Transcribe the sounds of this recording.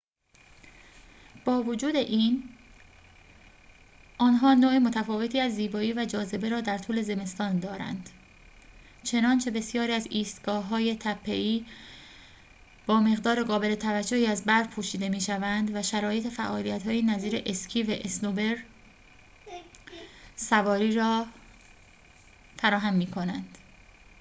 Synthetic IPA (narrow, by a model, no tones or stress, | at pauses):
b̥ɒːvod͡ʒuːd̪e̞ʔiːn | ʔɒːnɦɒːnoːemo̞t̪ʰæfɒːve̞t̪ʰiːæzːiːbɒːiːvæd͡ʒɒːze̞be̞ɾɒːd̪æɾt̪ʰuːle̞ze̞me̞st̪ɒːnd̪ɒːɾæ̰nd̪̥ | t͡ʃʰe̞nɒːnt͡ʃʰe̞be̞sjɒːɾiːæziːst̪ɡ̥ɒːɦɒːje̞t̪ʰæpʰːe̞ʔiː | b̥ɒːme̞ɣd̪ɒːɾe̞ɢɒːbe̞le̞t̪ʰævæd͡ʒːohiːæzbæɾpʰuːʃiːd̪e̞miːʃævænd̪væʃæɾɒːje̞t̪ʰe̞fæʔɒːlijæt̪hɒːjenæziːɾe̞ʔescʰiːvæʔesnobe̞ɾ | sævɒːɾiːɾɒː | fæɾɒːɦæmːiːkʰo̞nænd̪̥